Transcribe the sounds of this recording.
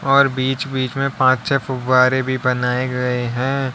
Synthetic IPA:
ɔːɾbiːt͡ʃbiːt͡ʃmẽpãːt͡ʃt͡ʃʰɛfʊbaːɾebʱibɐnaːeɡɐeɦɛ̃ː

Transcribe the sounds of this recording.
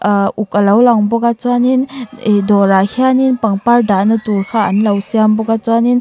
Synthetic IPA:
ukalawlaŋbɔɡat͡ʃwaninedɔɾahʰianinpaŋpaɾdanɯtuɾkʰaanlawsijambɔɡat͡ʃwanin

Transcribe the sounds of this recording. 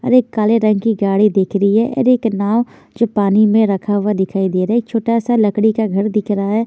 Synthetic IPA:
ə̰ɾeːkːaːleɾə̃ŋɡkiɡaːɽid̪eːkʰɾəiɦɛʔḛɾeːknaːʋ | d͡ʒoːpaːnimẽɾəkʰaʊad̪ɪkʰaːid̪eːɾɛek̚t͡ʃʰoːʈasaləkɽikaɡʱɐɾd̪ɪkʰɾaɦɛː

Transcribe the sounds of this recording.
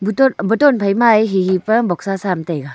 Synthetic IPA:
butɔbɯtɔnpʰajmajɦiɦipɐbɔk̚sasamtajɡa

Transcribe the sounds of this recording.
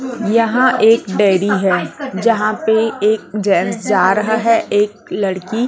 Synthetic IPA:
jɐɦãʔeːkɖɛːɾiɦɛːd͡ʒɐɦãpeeːk̚d͡ʒɛːnsd͡ʒaːɾɐɦaɦɛʔeːk̚lɐɽki

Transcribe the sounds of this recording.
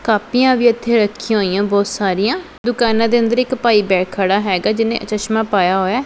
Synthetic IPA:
kaːpijãːʋiːət̪ʰːeːɾəkʰːijãɦoːijãːbɔːt̪saːɾijãː | d̪ʊkaːnãːd̪eːənd̪əɾɪkpaːiːbɛːkʰaːɽaːɦɛːɡaːd͡ʒɪnḛ̃ːʔət͡ʃəʃmãːpaːjaːɦoːjaː

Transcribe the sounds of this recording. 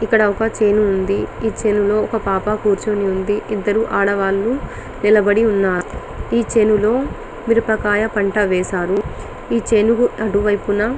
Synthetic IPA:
ikːɐɽɐɔkɐt͡ʃeːnuːnd̪iiːt͡ʃe̞ːnulo̞ːɔkɐpaːpɐkuːɾt͡ʃoːniund̪iʔid̪ːɐɾuʔaːɽɐʋaːlːu | nilɐbɐɽiunːaː | iːt͡ʃe̞ːnulo̞ː | miɾupɐkaːjɐpɐɳʈɐʋɛːsaːɾu | iːt͡ʃe̞ːnukuɐʈuʋɐjpunɐ

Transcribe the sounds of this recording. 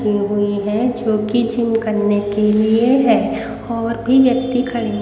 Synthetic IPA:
iɦʊiɦɛ̃d͡ʒoːkid͡ʒɪmkəɾnekelieɦɛ | ɔːɾbʱiʋjəkt̪ikʰɐɽi

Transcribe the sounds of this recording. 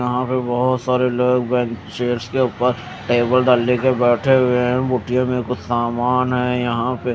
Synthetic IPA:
ɐɦãpebɐɦʊt̪saːɾeloːɡbɛ̃ːŋkʃeːɾskeʊːpəɾ | ʈeːbəlɖəlːekebɛːʈʰeɦʊeɦɛ̃buʈijãmẽkʊt͡ʃʰsaːmaːnɦɛ̃ːjɐɦãpe

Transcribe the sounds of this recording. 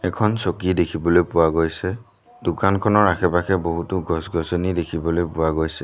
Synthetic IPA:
ɛkʰɔnsokidekʰibɔlojpʊwaɡojsɛ | dʊkankʰɔnɔɹaxʰɛpakʰɛboɦutʊɡɔsɡɔsɔnidekʰibɔlojpʊwaɡojsɛ

